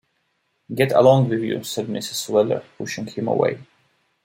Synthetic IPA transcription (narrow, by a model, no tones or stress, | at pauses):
ɡɛɾə̰lɔ̃ŋwɪðjṵsɛd̚mɪ̰sɨz̥swɛlˠə̰˞pʰʊʃɪ̃ŋhɨ̃mə̰wḛɪ